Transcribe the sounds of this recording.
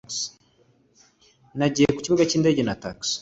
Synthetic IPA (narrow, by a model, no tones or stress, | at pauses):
s | naɟiːjeku̥ciβuɡaciːnde̞ɟenataks